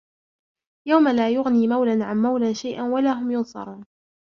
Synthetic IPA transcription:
jawmalaːjʊɣniːmawlanʕanmawlanʃajʔanwalaɦʊmjʊnsˤɑ̰ɾˤuːn

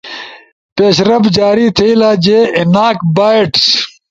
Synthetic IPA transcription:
peːɕɾɐbd͡ʑaːɾit̪ʰeilaːd͡ʑeːinaːkbaːeʈs

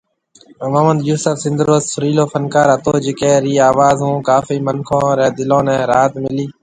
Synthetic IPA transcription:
əmaːmənd̪juːsəfsɪ̃nd̪ɾːoːzsʊɾiːloːfənkaːɾət̪oːd͡ʒɪkeːɾiːaːʋaːzɦũːkaːfiːmənkʰõːɾɛːd̪ɪlõːnɛ̃ːɾaːt̪mɪliː

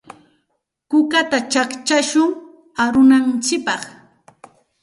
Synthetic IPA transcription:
kʊkat̪at͡ʃakt͡ʃaʃʊŋ | aɾʊnant͡ʃɪk̚pɑχ

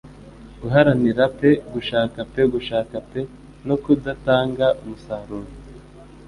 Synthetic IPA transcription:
ɡuɦaɾaniɾape̞ɡuʃaːkape̞ɡuʃaːkape̞ | no̞kudataːŋɡaʔumusaːɾuːɾi

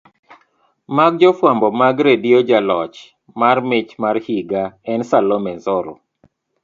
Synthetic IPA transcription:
maɡ̚d͡ʒɔfwambɔmaɡɾedijod͡ʒalɔt͡ʃ | marmɪt͡ʃmarhiɡaɛnsalɔmɛnzɔɾɔ̰

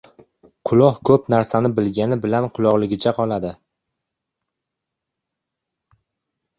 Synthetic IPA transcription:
qʰʊlˠɒhkʰɵpnaɾsanɪbɪlɡʲanɪbɪlanqʰʊlˠɒʁlˠɪɡʲɪt͡ʃʰaqʰɒlˠad̪ɪ

